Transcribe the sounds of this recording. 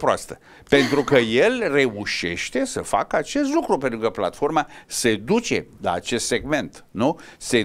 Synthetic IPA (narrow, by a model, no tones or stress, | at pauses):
pɾoa̰st̪ə | pe̞nt̪ɾukəje̞lre̞uʃe̞̰ʃt̪e̞səfa̰kəat͡ʃe̞st̪lukɾup̬ent̪ɾukəpla̰t̪fo̞rmase̞d̪ut͡ʃe̞̰la̰ːt͡ʃe̞st̪se̞ɡme̞nt̪nuse